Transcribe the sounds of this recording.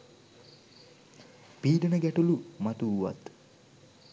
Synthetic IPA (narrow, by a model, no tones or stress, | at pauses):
piːɖənəɡæʈulumat̪uːʋa̰t̪